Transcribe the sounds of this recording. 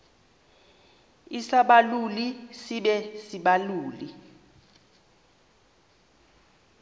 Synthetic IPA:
isaɓalulisiɓɛsiɓaluːli

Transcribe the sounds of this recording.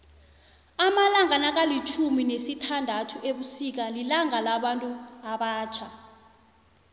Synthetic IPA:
amalaŋanak̬alit͡ʃʰuminesitʰandʱatʰueɓusik̬alilaŋalaɓantʼuaɓaːt͡ʃʰa

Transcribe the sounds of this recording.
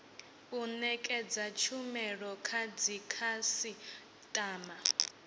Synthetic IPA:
unɛkʼɛd͡zat͡ʃʰumɛɺɔkʰad͡zikʰasi | tʼaːma

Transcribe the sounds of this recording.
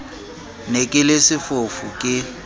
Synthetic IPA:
nekʼɪlesɪfofʊkʼɪ

